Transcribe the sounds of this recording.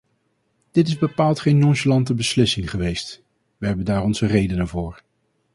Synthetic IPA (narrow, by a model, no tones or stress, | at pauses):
d̥ɪtɪzbəpaːlˠtχejnɔʒəlɑntəbəslɪsɪŋχəʋejst | ʋəɦɛbəndaːɹɔnzərejdənəvʊːɹ